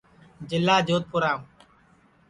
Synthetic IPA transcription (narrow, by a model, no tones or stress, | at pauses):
d͡ʒɪlːaːd͡ʒoːt̪̚pʊɾaːũː